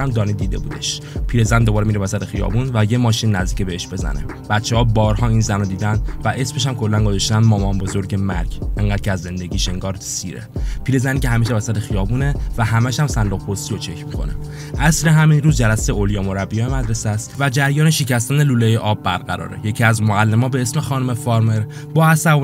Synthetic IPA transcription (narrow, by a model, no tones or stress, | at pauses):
æmd̪ɒːniːd̪iːd̪e̞̰buːd̪e̞ʃ | pʰiːɾe̞zænd̪obɒːɾemiɾeæsæt̪ʰexijɒ̰ːbunvæje̞mɒːʃinːæzd̪iːcʰebeeʃbe̞zæ̰nḛ | b̥æt̪t͡ʃʰːehɒːbɒːɾhɒːiːnzænɔd̪iːd̪ænd̪væʔe̞sme̞ʃæmkʰolːænɡozɒʃt̪ænmɒːmɒːnbo̞zo̞ɾɟe̞mæ̰ɾɟeŋɢæːd̪̥̚kcʰeæzːe̞nd̪e̞ɟʲiːʃe̞ŋɡɒːɾsḭːɾḛpʰiːɾe̞zæncʰeɦæmiʃ̬evæsæt̪ʰexijɒːbuːne̞væɦæmæʃæmsænd̪oɣpʰost̪iɾot͡ʃʰe̞cʰmikʰo̞̰nḛ | ʔæsɾeɦæminɾuːzd͡ʒælæseeoljɒːmo̞ɾæbːijɒːjemæd̪ɾe̞sæst̪væd͡ʒæɾjɒːneʃecæst̪æneluːlejeʔɒːbːæɾɡæ̰ɾɒ̰ːɾḛje̞cʰiæzmoælːe̞mɒːbe̞esmexɒːnome̞fɒɾme̞ɾ | bɒːæsævo